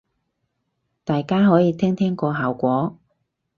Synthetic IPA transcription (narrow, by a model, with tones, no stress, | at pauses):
t̪aː˨jkaː˥ɦɔː˨˥jiː˨˧t̪ʰɛː˥ŋt̪ʰɛː˥ŋkɔː˧ɦaː˨wkʷɔː˨˥